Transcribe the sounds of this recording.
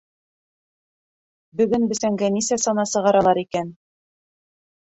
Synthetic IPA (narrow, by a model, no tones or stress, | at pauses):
bɵ̆ɡɵnbɘ̆sæŋɡænisæsɑnɑsɤ̆ʁɑɾɑlˠɑɾikæn